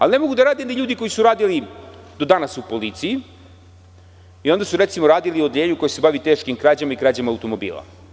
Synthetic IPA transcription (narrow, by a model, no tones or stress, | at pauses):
alinemo̞ɡud̪aɾaːd̪end̪aʎuːd̪iko̞jisuɾaːd̪ilid̪o̞d̪anasupo̞lit̪sii | io̞nd̪asuɾet̪simo̞ɾaːd̪iliod̪ʎeːɲuko̞jese̞baʋit̪eʃkimkɾaːd͡ʑamaikɾaːd͡ʑamaːwt̪o̞mo̞bḭːlˠa̰